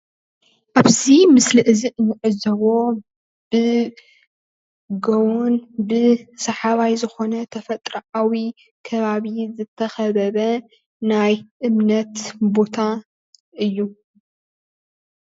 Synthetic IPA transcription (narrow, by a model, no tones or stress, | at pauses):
ʔaβzimɨslɨʔɨziʔɨnːɨʕɨzɐβo̞ | b̥ɨ | ɡɐwunbɨsɐħaβajzɨxo̞nɐt̪ʰɐfɐt̪ʼɾɐʕawi | kʰɐβaβizɨt̪ʰːɐxɐβɐβɐ | najʔɨmnɐt̪bo̞t̪ʰa | ʔɨjːu